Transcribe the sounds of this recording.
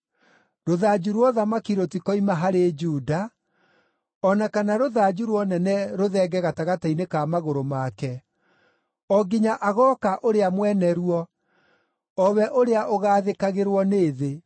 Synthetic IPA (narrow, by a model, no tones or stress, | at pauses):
ɾoðad͡ʒuɾwɔðamakiɾotikɔimaɦaɾed͡ʒuːda | ɔnakanaɾoðad͡ʑuɾwɔnɛnɛɾoðɛɡɛɣataɣatainekamaɣoɾomakɛ | ɔɡiɲaʔaɣɔkaʔoɾeamwɛnɛɾuɔ | ɔβɛʔoɾeaʔoɣaːðekaɣeɾwɔneːðe